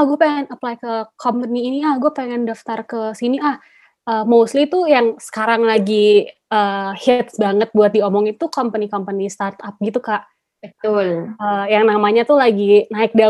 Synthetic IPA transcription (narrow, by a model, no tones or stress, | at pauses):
ahɡuapeŋɛnəplajkəkʰɔmpəniːniahɡuapeŋɛndaft̪arkəsiniʔah | ʔəːmoslit̪ujaŋsə̥kaɾaŋlaɡiʔəhɛt̪sbaŋət̪̚buat̪̚diɔmɔŋit̪ukɔmpənikɔmpənist̪art̪ap̚ɡit̪ukaʔ | ət̪uləjaŋnamaɲat̪ulaɡinaɪk̚da